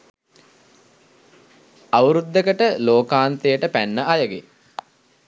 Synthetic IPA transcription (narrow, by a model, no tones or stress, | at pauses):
awəɾud̪ːekəʈəloːkaːnt̪ejəʈəpænːəʔajəɡḛ